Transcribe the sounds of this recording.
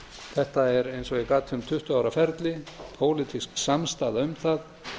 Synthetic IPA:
θɛht̪aɛɾejnsɔɣikaːt̪ʰːʏmt̪ʰʏht̪ʏaːwɾafɛɾt̪lɪpʰoːwlɪt̪ʰisksamst̪aːðaʏmθað

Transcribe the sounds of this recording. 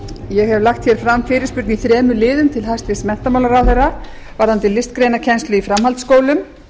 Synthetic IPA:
jɛɣhɛvlaxt̪çjɛɾ̥fɾamːfɪːɾɪɾ̥spʏɾkniθɾɛːmʏlɪːðʏmt̪ʰɪlhast̪vɪsmɛn̥t̪amawlaɾawθejra | vaɾ̥hant̪ɪlɪst̪kɾejnacʰɛnst̪lʏifɾamhalt̪skoːwlʏm

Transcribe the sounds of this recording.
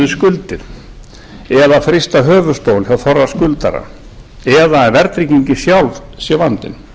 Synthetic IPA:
ɪskʏlt̪ɪɾ̥ | ɛðafɾɪst̪aɦœːvʏ̥st̪owlçawθɔrːaskʏlt̪a̰ɾa̰ | ɛðavɛɾt̪ɾiciɲcɪsjawlvsjɛvant̪ɪ̰n

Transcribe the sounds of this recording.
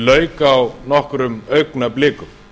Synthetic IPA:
lœːɥkaːwnɔhkɾʏmœɥknaplɪːkʏm

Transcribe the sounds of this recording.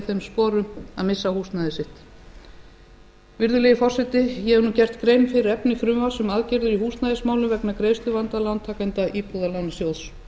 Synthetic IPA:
θejmspɔːɾʏmaðmɪsːahuːst̪naðɪsɪht̪ | vɪɾðʏlɛjɪfɔr̥sɛt̪ɪjɛhɛvɾnuːcɛr̥t̪kɾejnfɪɾɪɾɛpnɪfɾʏmvasʏmaðcɪɾðʏɾihuːst̪naðɪsmaːwlʏmvɛknakɾeːjst̪ʏvant̪alant̪ʰaːkajnt̪aʔiːpuðalawnːsjowðs

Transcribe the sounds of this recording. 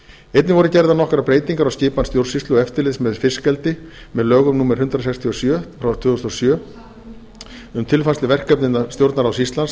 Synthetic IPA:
ejt̪nɪvɔɾʏcɛɾðanɔhkɾapɾeːjt̪iŋkaɾawscɪːpanst̪jowɾsist̪lʏɛft̪ɪlɪðsmɛðfɪskɛlt̪ɪ | mɛðlœːɣʏmnuːmɛɾ̥ɦʏnt̪ɾasɛkst̪ʰiɔsjœːt̪fɾawt̪ʰʏːðɔst̪ɔsjœː | ʏmt̪ʰɪlfanslɪvɛr̥kœpnɪnːast̪jowɾt̪naɾawsist̪lans

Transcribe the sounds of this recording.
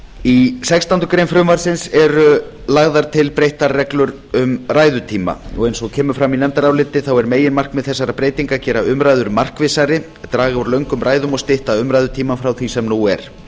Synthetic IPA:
isɛkst̪ant̪ʏkɾejnfɾʏmvaɾ̥sɪnsɛɾʏ | laɣðaɾ̥t̪ʰɪlpɾejht̪aɾrːɛklʏɾ | ʏmraːjðʏt̪ʰiːma̰ɔɣejnsɔɣcʰɛːmʏfɾamːinɛmt̪aɾawlɪt̪ːɪθawɛɾmeːjɪnmar̥kmɛðθɛsːaɾapɾeːjt̪iŋkacɛːɾaʏmɾaːjðʏɾmar̥kvɪsaɾɪ | t̪ɾaːɣaɔɾlœɥŋkʏmɾaːjðʏmɔst̪ɪht̪aʏmɾajðʏt̪ʰiːmanfɾawθisɛmnuɛɾ̥

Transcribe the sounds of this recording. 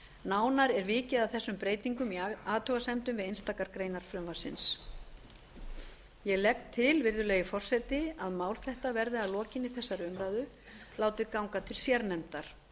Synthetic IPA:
naːwnaɾɛɾvɪːcɪðaθɛsːʏmpɾeːjt̪iŋkʏmiaːt̪ʰʏɣasɛmt̪ʏmvɪðejnst̪aːkaɾkɾeːjnaɾ̥fɾʏmvḁsɪ̰ns | jɛɣlɛk̚t̪ʰːɪlvɪɾðʏlɛːjɪfɔr̥sɛt̪ɪaðmaːwl̥θɛht̪avɛɾðɪaðlɔːcɪnɪθɛsːaɾʏmɾaːjðʏ | laːwt̪ɪðkawŋkat̪ʰɪlsjɛɾnɛmt̪aɾ̥

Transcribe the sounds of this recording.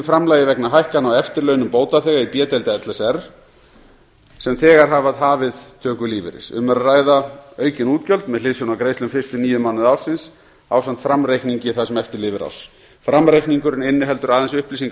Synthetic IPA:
fɾamlajðɪvɛknaɦajhkanawɛft̪ɪɾlœɥnʏmpoːwt̪aθɛːɣaipjɛːt̪ɛlt̪aɛt̪lɛsɛr | sɛmθɛːɣaɾɦavaðɦaːvɪðt̪ʰœːkʏliːvɪ̰ɾɪ̰sʏ̰mɛɾaraːjðaœːɥcɪnuːt̪cœlt̪mɛðlɪːsʏnawkɾeːjst̪lʏmfɪr̥st̪ʏniːjʏmawnɪðawɾ̥sɪns | a̰ːwsant̪fɾamɾejhkniɲcɪθasɛmɛft̪ɪɾlɪːvɪɾa̰ws | fɾamɾejkniŋkʏɾɪnɪnːɪɦɛlt̪ʏɾaːðɛnsʏhpliːsiŋk

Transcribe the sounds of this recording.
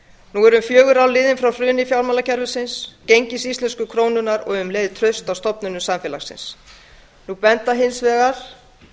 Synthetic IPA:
nuɛɾʏmfjœːɣʏɾawlɪːðɪnfɾawrɾʏːnɪfjawlmalacʰɛɾvʏsɪnscejɲcɪsist̪lɛnskʏkʰɾoːwnʏnaɾɔ̰ɣʏmleːjðɪt̪ʰɾœɥst̪awst̪ɔpnʏnʏsamfɛla̰xsɪ̰ns | nupɛnt̪aɦɪnsvɛːɣaɾ̥

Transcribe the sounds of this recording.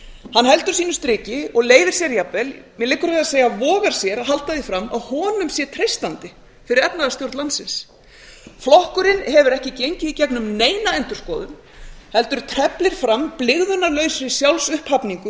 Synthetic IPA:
hanhɛl̪t̪ʏɾ̥siːnʏst̪ɾɪːcɪɔɣleːjvɪ̥sjɛɾjapvɛlmɛlɪːkːʏɾvɛːðaseːjavɔːɣaɾ̥sjɛɾaɦal̥t̪aðɪfɾamːaðhɔːnʏmsjɛt̪ʰɾejst̪ant̪ɪ | fɪɾɪɾɛp̪naðast̪jowɾt̪lant̪sɪns | flɔhkʏɾɪnhɛvʏɾɛhcɪcejɲcɪicɛknʏmneːjnaɛnt̪ʏɾ̥skɔːðʏm | hɛlt̪ʏɾ̥t̪ʰɾɛplɪɾ̥fɾamplɪɣðʏnaɾlœːɥsɾɪ̥sjawlsʏhphapniŋkʏ

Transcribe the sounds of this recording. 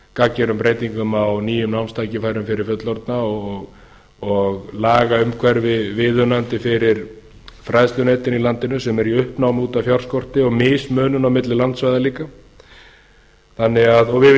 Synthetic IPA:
kacːɛɾʏmpɾeːjt̪iŋkʏmawniːjʏmnawmst̪ʰaːjcɪfaːjɾʏmfɪɾɪɾ̥fœt̪lɔɾt̪naɔɣ | ɔɣlaːɣaʏmkʰvɛɾvɪvɪðʏnant̪ɪfɪɾɪɾ̥ | fɾajst̪ʏnet̪ɪnilant̪ɪnʏsɛmɛɾiʏhpnawmuːt̪afjawɾ̥skɔr̥t̪ɪɔɣmɪːsmœːnʏnawmɪt̪lɪlant̪svajðaliːka | θanːɪɣaðɔɣvɪ

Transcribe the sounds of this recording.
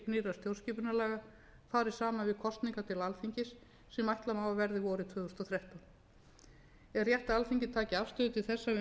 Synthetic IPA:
niːɾast̪ʰjowscɪːpʏɾnalɛːɣa | faːɾɪɾ̥saːmavɪðkʰɔst̪niŋkat̪ʰɪlalθiɲcɪsː | ɛmajht̪lamaːvavɛɾðɪvɔːɾɪt̪ʰvœːðʏst̪ɔθɾɛht̪an | ɛɾrːjɛht̪aalfiɲcɪt̪ʰaːcɪafst̪ʏðt̪ʰɪlθɛsːavɪ

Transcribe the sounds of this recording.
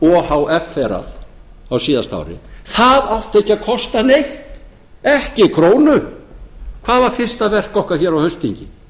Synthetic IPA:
ɔhawʔɛfːɛɾa̰ðawsiːðast̪a̰wɾɪ̰θaðaft̪ehcːaðkʰɔst̪anejht̪ | ɛhcɪkʰɾoːwnʏ | kʰv̥aːðvaɾ̥fɪr̥st̪avɛr̥kɔhkaɾ̥çɛːɾawhœɥst̪iɲcɪ

